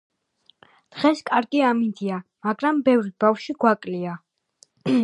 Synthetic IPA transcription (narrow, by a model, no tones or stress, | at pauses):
d̪̥ʁɛskʼaɾɡiamind̪iamaɡɾambɛvɾib̥afʃiɡwakʼlia